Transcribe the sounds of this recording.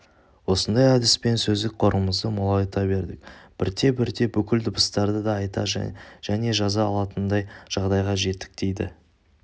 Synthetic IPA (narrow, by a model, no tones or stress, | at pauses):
wo̞sənd̪ɑjæd̪ɪspe̞nsɵzd̪ɪk̚qʰo̞ɾəməzd̪əmʊlˠɑjt̪ɑbe̞ɾd̪ɪk̚b̥ɪɾt̪e̞bɪɾd̪e̞bʏkʲɪld̪ʊbəst̪ɑɾd̪əd̪ɑːjt̪ɑ̰ʒ̥æne̞ʒɑzɑːlˠɑt̪ənd̪ɑjʒ̥ɑʁd̪ɑjʁɑʒe̞t̪ːɪ̥k̚t̪e̞jd̪ɪ̰